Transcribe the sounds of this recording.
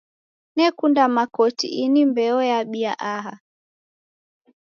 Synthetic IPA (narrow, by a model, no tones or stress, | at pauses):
nɛkundamakɔtḭʔinimbɛɔjaɓiaʔaɦa